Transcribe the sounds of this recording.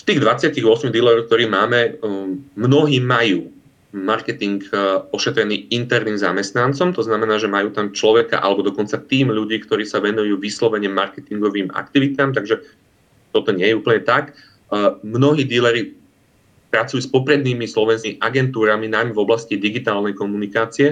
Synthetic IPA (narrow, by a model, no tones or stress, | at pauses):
ft̪iːɣd̪ʋat͡sɪaciɣʊɔsmid̪ilɛɾɔʊk̚t̪ɔɾiːmaːmɛ | mnɔɦiːmajuː | maɾkɛt̪iŋkɔʃɛt̪ɾɛniːint̪ɛɾniːmza̰mɛst̪nant͡sɔmt̪ɔznamɛnaːʒɛmajuːt̪amt͡ʃlɔʋɛka̰ʔa̰lɛbɔd̪ɔkɔnt͡sat̪iːmʎuɟiːkt̪ɔɾiːsaʋɛnujuːʋislɔʋɛɲɛmaɾkɛt̪iŋɡɔʋiːma̰k̚t̪iʋit̪aːmt̪aɡʒɛ | t̪ɔt̪ɔɲɛjɛupl̩ɲɛt̪ak | mnɔɦiːd̪ilɛɾi | pɾat͡sujuːspɔpɾɛd̪niːmislɔʋɛnsiʔaɡɛnt̪uːɾaminajmɛvɔblascid̪iɡit̪aːlnɛjkɔmunikaːt͡siɛ